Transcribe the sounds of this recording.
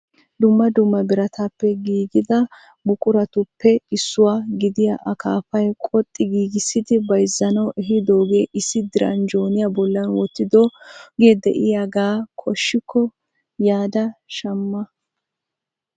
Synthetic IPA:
d̪ʊmːɐd̪ʊmːɐbɪɾɐt̪apːɛɡiːɡɪd̪ɐ | bʊkʼʊɾɐt̪ʊpːɛɪsːʊwaːɡɪd̪ɪja̰ʔɐkaːfɐjkʼɔt̪ʼːɪɡiːɡɪsɪd̪ɪbɐjzːɐnɐwɛɦɪd̪oːɡe̞ːʔɪsːɪd̪ɪɾɐ̰nd͡ʒo̞ːnɪjabɔlːɐnwɔt̪ːɪd̪oːɡeːd̪ɛ̰ʔɪjaɡaːkʰʼɔʃːɪkʰːɔ | jaːd̪ɐʃɐmːɐ

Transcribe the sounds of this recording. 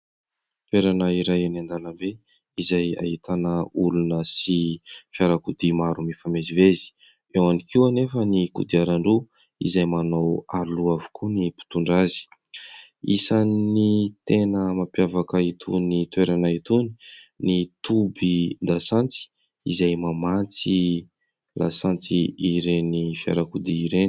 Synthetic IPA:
t̪weɾanəiɾajanand̪anəmbe | izaja̰ɦit̪ʰanəulunəsifjaɾakud̪imaɾumifamezivezi̥ | ewanikiwanefənikṵd̪iaɾaɳɖ͡ʐu | ḭzajmanowaɾluavu̥kʰunipi̥t̪uɳɖ͡ʐazi̥ | ḭsanːit̪enəmapjavakəit̪ʰṵnit̪weɾanait̪uni̥nit̪ubid̪asant͡si̥ | ḭzajmamant͡si | la̰sant͡siiɾenifja̰ɾakud̪iːɾen

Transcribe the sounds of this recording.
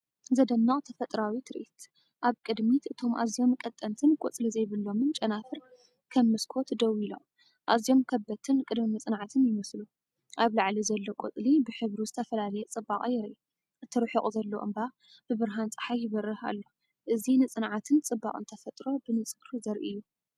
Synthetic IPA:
zɐd̪ɐnːɐχʼt̪ʰɐfɐt̪ʼɾawit̪ʰɨɾʔit̪ | ʔaβkʼɨd̪mit̪ɨt̪ʰo̞mʔa̰zijo̞mkʼɐt̪ʼːɐnt̪ʰɨnkʼo̰t͡sʼlizɐjβɨlːo̞mɨnt͡ʃʼɐnafɨɾ | kʰɐmːɨskʰo̞t̪d̪ɐwilo̰m | ʔazijo̞mkʰɐbːɐt̪ʰɨnkʼɨd̪minɨt͡sʼɨnʕat̪ʰɨnjɪmɐslu | ʔaβlaʕlizɐlːokʷʼo̰t͡sʼlibɨħɨβɾizɨt̪ʰɐfɐlalɐjɛt͡sʼɨbːaχʼjɪɾʔi | ʔɨt̪ʰːɨɾɨħikʼuzɐlːoʔɨ̰mba | b̥ɨβɨɾɦant͡sʼɨ̥ħajjɪβɐrːɨha̰lːo | ʔɨzinɨt͡sʼɨnʕat̪ʰɨnt͡sʼɨbːa̰χʼɨ̰nt̪ʰɐfɐt̪ʼɾo̞bɨnɨt͡sʼɨɡɾuzɐɾʔiɨjːu

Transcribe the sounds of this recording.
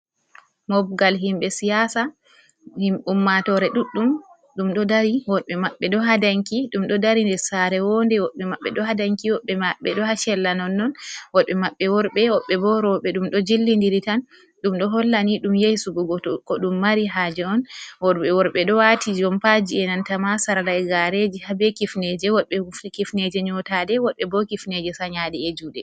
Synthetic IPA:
mɔb̚ɡalɦimɓɛsijasa | himʔumːatɔɾɛɗuɗːum | ɗumɗɔdaɾiwɔɓɛmaɓːɛɗɔɦadaŋkiɗumɗɔdaɾindɛɾsaɾɛwɔndɛwɔɓɛmaɓːɛɗɔɦadaŋkiwɔɓɛmaɓːɛɗɔhaʃɛlːanɔnːɔnwɔɓɛmaɓːɛwɔɾɓɛwɔɓːɛbɔɾɔɔɓɛɗumɗɔd͡ʒilːindiɾitan | ɗumɗɔɦɔlːaniɗumjejsuɡɔɡɔɔkɔɗumːaɾiɦad͡ʒɛɔnwɔɾɓɛwɔɾɓɛɗɔwatʰid͡ʒɔmpad͡ʒiɛnantamasaɾalaɛɡaɾed͡ʒihabɛkifnɛd͡ʒɛwɔɗɓɛkifned͡ʒɛɲɔtadɛwɔɓɛbɔkifned͡ʒɛsaɲadɛed͡ʒudɛ

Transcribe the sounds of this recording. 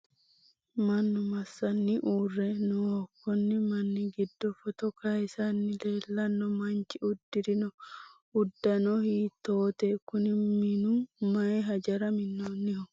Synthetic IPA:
mɐnːʊmɐsːɐnːɪʔuːrːɛnʊɔkːɔnːɪmɐnːɪɡɪd̪ːɔfɔt̪ɔkɐjsɐnːɪleːlːɐnːɔmɐnt͡ʃɪʊd̪ːɪɾɪnɔ | ʊd̪ːɐnɔhiːt̪ːoːt̪ekʊnɪmmɪnʊmɐjɦɐd͡ʒɐɾɐmɪnːonːɪhɔ

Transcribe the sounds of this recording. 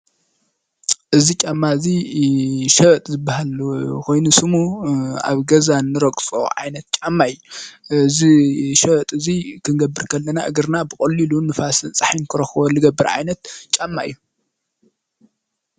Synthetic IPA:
ʔɨzit͡ʃʼamːazi | ʃɐβɐt̪ʼzɨbːahalkʰo̞jnusɨmua̰βɡɐzanːɨɾɐkʼt͡sʼo̰ʕa̰jnɐt̪̚t͡ʃʼamːajːuɨziʃɐβɐt̪ʼɨzikʰɨnɡɐbːɨɾkʰɐlːɐnaʔɨɡɨɾnabɨkʼɐlːilunɨfasɨnt͡sʼaħinkʰɨɾɐxwɐlɨɡɐbːɨɾʕa̰jnɐt̪t͡ʃʼamːaijːu

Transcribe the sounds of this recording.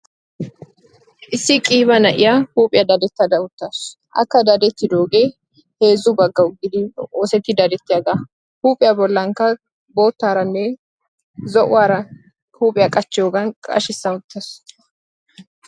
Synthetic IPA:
ʔɪsːɪkʼiːbɐnɐʔɪjahuːpʼɪjɐd̪ɐd̪ɛt̪ːɐd̪ɐʊt̪ːɐs | ʔɐ̰kːɐd̪ɐd̪ɛt̪ːɪd̪oːɡe | he̞ːzʊbɐɡːɐʊɡːɪd̪ɪoːsɛt̪ːɪd̪ɐd̪ɛt̪ːɪjɐɡ̪ɐ | huːpʼːɪjɐbɔlːɐŋkɐ | bo̞ːt̪ːaːɾɐnːe | zɔʔʊwaːɾɐ | huːpʼɪjɐkʼɐt͡ʃːɪjoːɡɐnkʼɐ̰ʃɪsːɐʊt̪ːɐs

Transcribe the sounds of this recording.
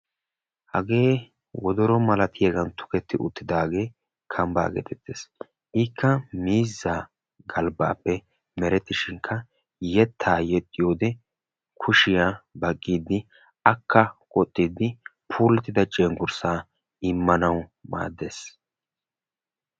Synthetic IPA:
hɐɡe̞ː | wɔd̪ɔɾɔmɐlɐt̪ʰɪjɐɡɐnt̪ʊ̥kɛt̪ːɪʔʊt̪ːɪd̪aːɡe̞ː | kʰɐmba̰ːɡḛt̪ʰɛt̪ːeːs | ʔɪkʰːɐmiːzːa | ɡɐlba̰ːpːɛ | mɛɾɛt̪ːɪʃɪŋkʰɐ | jɛt̪ʰːaːjɛt̪ʼːɪjo̞ːd̪ɛ | kʰʊʃɪjaːbɐkʼːiːd̪ːɪ | ɐkːɐkʼɔt̪ʼːid̪ːɪpʰuːlɛt̪ːɪd̪ɐt͡ʃʼeːŋɡʊɾsaː | ɪmːɐnɐwma̰ːd̪ːe̞ːs

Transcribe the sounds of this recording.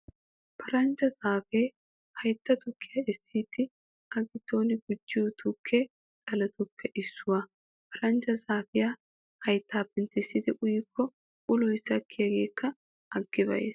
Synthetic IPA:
pʰɐɾɐnd͡ʒɐzaːfeː | hɐjt̪ːɐt̪ʊkʰːɪjɐɛsːiːt̪ːɪ | ɐɡɪt̪ːoːnɪɡʊd͡ʒːɪjʊt̪ʰʊkʰːeː | t͡sʼɐlɛt̪ʊpːɛʔɪsːʊwa | pʰɐɾɐnd͡ʒɐzaːfɪjaː | hɐjt̪ʰːaːpːɛnt̪ɪsːɪd̪ɪʔʊjɪkʰːɔ | ʔʊlɔjsɐkʰːɪjɐɡe̞ːkːɐ | ɐɡːɪbɐ̰jḛːs

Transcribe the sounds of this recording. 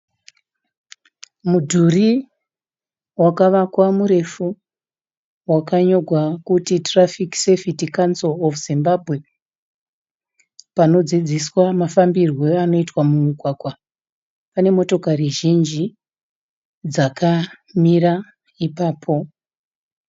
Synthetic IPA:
mudʱuri | wakaʋakwamuɾe̞fu | wakaɲo̞ɡʱwakutitrafiksefitikansolofuzimbabʱɣe̞ | pano̞d͡zid͡ziswamafambirwe̞ano̞itwamuukwaɡwa | pane̞mo̞to̞kariʒind͡ʒi | d͡zakʰa | mira | ipaːpʰo̞

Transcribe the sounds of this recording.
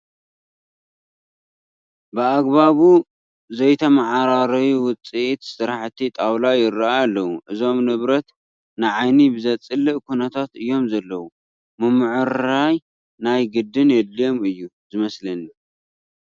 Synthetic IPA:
bɨaɡβaβu | zɐjt̪ʰɐmaʕaɾaɾɐwuwʊt͡sʼit̪sɨɾaħt̪ʰit̪ʼawlajɪraʔajalːɐwuʔɨzo̞mnɨβɾɐt̪ | nɨʕajnibɨzɐt͡sʼɨlɨʔkʰunɐt̪ʰat̪ɨjːo̞mzɐlːɐwu | mɨmɨʕɨɾaj | najɡɨd̪ːɨnjɛlːijo̞mɨjːuzɨmɐslɐnu

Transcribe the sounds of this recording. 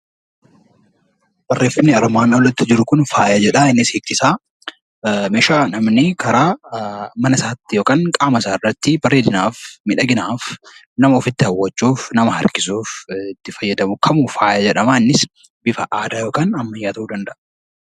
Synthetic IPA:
b̥ɐrːeːfɐnːɪɐɾmaːnɐlɐt̪ːɪd͡ʒɪɾʊkʊnfaːjɐd͡ʒɛᶑɐɪnːɪseːk̚t̪ɪsaː | mɛʃaːnɐmnɪkʰɐɾaːmɐnɐsaːt̪ːɪjoːkʼaːŋkʼaːmɐsaːɪrːɐt̪ːɪbɐrːeːd̪ɪnaːfmɪᶑɐɡɪnaːf | nɐmɐɔfɪt̪ːɪhɐwːɐt͡ʃːuːfnɐmɐhɐ̰ɾkɪsuːfɪt̪ːɪfɐjːɐd̪ɐmʊkʰɐmuːfaːjɐd͡ʒɛᶑɐmaːnːɪs | bɪfɐʔaːd̪aːjoːkʼaːnɐmːɐjːaːt̪ɐʔuːd̪ɐnd̪ɐʔɐ̥

